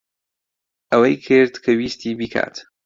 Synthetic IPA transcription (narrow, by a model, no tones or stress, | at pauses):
awajkʰeɾt̪kʰɐwiːst̪iːbikʰa̰ːt̪